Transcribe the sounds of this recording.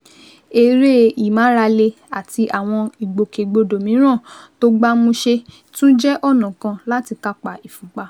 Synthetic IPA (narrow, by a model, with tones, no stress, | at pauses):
e˧ɾe˦i˨mã˨˦ɾa˧le˧ | a˨ti˧ʔa˨w̃ɔ̃˧i˨ɡ͡bo˨ke˨ɡ͡bo˧do˨mĩ˨˦ɾ̃ã˦˨to˦ɡ͡ba˦mũ˧ʃe˧ | tũ˦d͡ʒɛ˦ʔɔ˦˨nã˨kã˧la˦ti˧ka˦k͡pa˨i˨fũ˨k͡pa˧